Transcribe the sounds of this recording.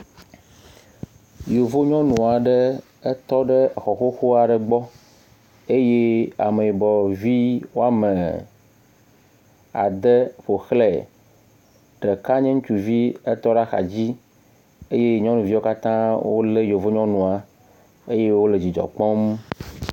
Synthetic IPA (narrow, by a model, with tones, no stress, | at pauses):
jo˨vo˦ɲɔ̃˦nũ˨a˨ɖe˦ | e˦t̪ɔ˦ɖə˦˨xɔ˨xo˦xo˦a˨ɖə˨ɡ͡bɔ˦ | e˦je˦a̰˨me˨i˨bɔ˨vi˦wo˦a˦me˨ | a̰˨d̪e˦ɸo˨xlɛ˨ | ɖ̥e˨ka˦ɲẽ˦ŋũ˦t͡ʃu˨vi˦e˦t̪ɔ˦ɖa˦xa̰˨d͡ʑi˦ | e˦je˦ɲɔ̃˦nũ˨vi˦wo˦ka˦t̪ã˦wo̰˦le˦jo˨vo˦ɲɔ̃˦nũ˨a˨ | e˦je˦wo˦le˨d͡ʑi˨d͡ʒɔ̰˨k͡pɔ̃˦m